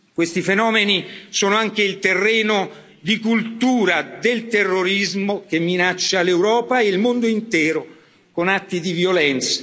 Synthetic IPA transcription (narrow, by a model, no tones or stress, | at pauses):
kwest̪ifenɔːmenisoːnoaŋk̟eilt̪erːɛːno | d̪ikult̪uːɾad̪elt̪erːoɾizmok̟emːinat͡ʃːalewɾɔːpaeilmond̪oint̪ɛːɾo | konat̪ːid̪ivjolɛnt̪sḁ